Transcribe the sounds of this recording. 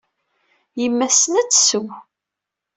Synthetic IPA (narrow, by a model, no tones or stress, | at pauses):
jəmːæsənæt͡sːsəw